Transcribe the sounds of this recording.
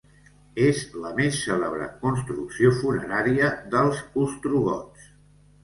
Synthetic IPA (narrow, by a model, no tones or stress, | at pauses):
ezləmesːələβɾə̰kunst̪ɾuksiofunəɾaɾiəðəlˠzust̪ɾuɣɔs